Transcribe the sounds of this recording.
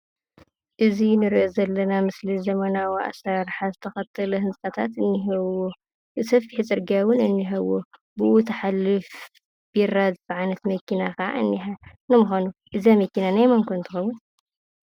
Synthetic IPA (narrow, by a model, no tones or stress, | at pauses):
ʔɨzinɨɾʔozɐlːɐnamɨslizɐmɐnawiʔa̰saɾħazɨt̪ʰɐxɐt̪ʰːɐlɐɦɨnt͡sʼɐt̪ʰat̪ɨnːiɦɐwːo | ɨsɐfiħit͡sʼɨɾɡawʊnɨnːiɦɐwːo | bɨʔut̪ʰɐħalːɨf | bjrːazɨfʕajnɐt̪mɐkːinaxaʕa̰ɨ̰nːiħa | nɨmuxanuʔɨzamɐkːinanajmɐŋkʰont̪ʰɨxɐwːʊn